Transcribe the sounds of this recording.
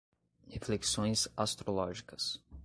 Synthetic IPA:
hefleksõj̃zast̪ɾolɔʒikɐs

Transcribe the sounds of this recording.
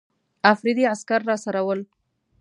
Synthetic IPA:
afɾɪd̪iaskaɾːɑsaɾawəl

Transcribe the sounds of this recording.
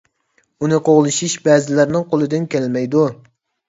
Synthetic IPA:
unɨqoʁlˠɨʃiʃbɛzɪlæɾnɪŋqolˠɨd̪ɪnkʲʰælmɛjd̪u

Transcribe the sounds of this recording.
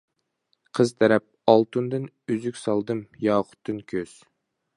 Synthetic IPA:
qʰəzt̪ʰɛɾɛp̚ɑlˠt̪ʰund̪ɨn | yzykʲsɑlˠd̪ɨmjɑːqʰʊ̥t̪ʰːɨnkʲʰøz̥

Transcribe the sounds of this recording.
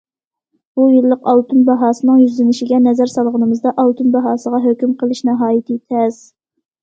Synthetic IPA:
b̥ujilːəqɑwt̪unbɑɦɑːsɨnɨŋjyzlɪnɪʃɪɡʲɛnɛzæɾsɑlˠʁənɨmɨzd̪ɑʔɑwt̪unbɑɦɑːsəʁɑɦøkʲymqʰəlˠɪʃnɑɦɑːjit̪ɨt̪ʰɛz̥

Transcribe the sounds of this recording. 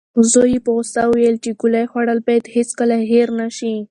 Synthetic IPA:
zojipoɣʊst̪awwelt͡ʃeɡulajxwaɽəlbɑjad̪heskəlaɦeɾnaʃi

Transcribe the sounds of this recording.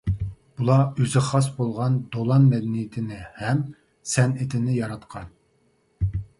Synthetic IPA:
b̥ulˠɑøzɪχɑsbolˠʁɑnd̪olˠɑnmɛd̪ɛnijɪt̪ʰɪnɪhɛm | sɛnɪt̪ʰɪnɪjɑɾɑt̪qʰɑn

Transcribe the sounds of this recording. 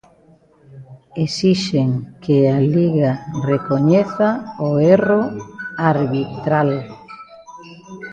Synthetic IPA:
esiʃeŋkʰealiɣarekoɲeθaoeroaɾβit̪ɾal

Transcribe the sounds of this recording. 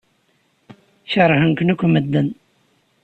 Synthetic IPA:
çəɾˤhənknækʷːməd̪ːən

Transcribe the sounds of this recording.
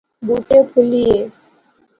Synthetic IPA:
buːʈeːpʰʊlieː

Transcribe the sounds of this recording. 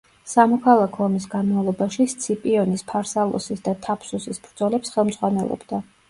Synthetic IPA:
samɔkʰalˠakʰɔːmis̬ɡanmavlˠɔbaʃist̪sʰipʼiɔnispʰaɾsalˠɔ̰sisd̪at̪ʰapʰsusisbɾd̪z̥ɔlɛpsχɛlˠmd̪z̥ʁwanɛlˠɔ̰bd̪a

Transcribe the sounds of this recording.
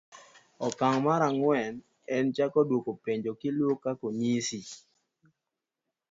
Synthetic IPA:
ɔkaŋmaɾaŋwɛn | ɛnt͡ʃakɔdwokopeɲd͡ʒokilokːakonisi

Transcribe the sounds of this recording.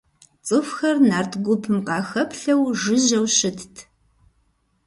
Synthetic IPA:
t͡sʼɨfxɐrnaːrtʰɡʷʊpʰɨmqɑːxɐpʰɬɐwʒɨʑɐwʃɪtʰtʰ

